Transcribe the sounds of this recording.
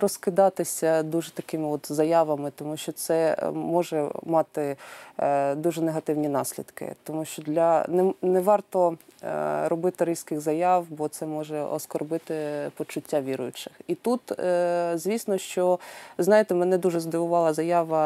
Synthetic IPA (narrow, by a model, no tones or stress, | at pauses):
rɔskɪd̪ɑt̪ɪsʲɐd̪uʒɛt̪ɐkɪmɪɔt̪zɐjɑʋɐmɪt̪ɔmuʃt͡ʃɔt̪sɛmɔʒɛmɑt̪ɪ | d̪uʒɛneɦɐt̪ɪwnʲinɑsʲlʲḭd̪kɪ̰t̪ɔmuʃt͡ʃɔd̪lʲɐnɛnɛʋɑrt̪ɔ | ɾɔbɪt̪ɪɾʲiskɪɣzɐjɑwbɔt̪sɛmɔʒɛɔ̰skɔrbɪt̪ɪpɔt͡ʃʊtʲːaʋʲiɾʊ̰jʊt͡ʃɪ̥xit̪ut̪zʲʋʲisnɔʃt͡ʃɔznɑjɪt̪ɛmɛnɛd̪uʒɛzd̪ɪʋʊʋɑlˠɐzɐjɑʋɐ